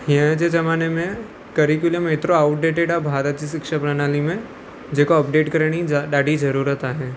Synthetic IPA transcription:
ɦiə̃d͡ʒed͡ʒɐmaːnemẽ | kɐɾik̬ʊlmet̪ɾoaʊʈ̚ɖeːʈeɖabʱaːɾət̪d͡ʒisɪkʃapɾanaːlimẽ | d͡ʒeːkoɐp̚ɖeːʈkəɾɳ̃iɖaːɖid͡ʒɐɾuːɾət̪aɦɛː

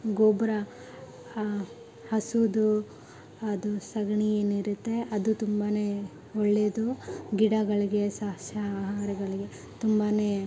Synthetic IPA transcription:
ɡoːbɾɐ | hɐsud̪u | ɐd̪usɐɡɳijeːniɾut̪ːe̞ʔɐd̪ut̪umbaːne̞ | oɭːed̪uɡiɽɐɡɐɭiɡe̞saɦʃɐaːɦaːɾɐɡɐɭiɡe̞ | t̪umbane

